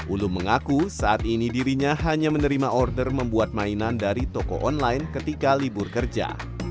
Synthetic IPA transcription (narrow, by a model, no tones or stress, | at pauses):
ʔulʊmːəŋakusaʔat̪inidiɾiɲaɦaɲamənəɾimaʔɔrdərməmbuat̪̚mainandaɾit̪ɔkɔ̰ʔɔnlajnkət̪ikalibʊrkərd͡ʒa̰